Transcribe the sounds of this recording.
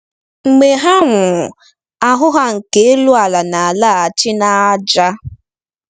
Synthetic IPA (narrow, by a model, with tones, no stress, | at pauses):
ŋ͡m̩˨ɡ͡be˨ɦa˦ŋʷʊ˨ | a˨ɦʊ˦ɦa˦ŋ̩˨ke˦e˦lu˦a˨la˨na˨a˨la˦˨a˨t͡ʃɪ˦na˦a˦d͡ʒa˦